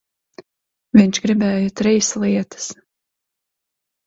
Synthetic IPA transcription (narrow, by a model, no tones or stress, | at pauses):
vʲiɲʲt͡ʃɡɾibɛːjɔt̪ɾijslˠiɛt̪ɨ̥s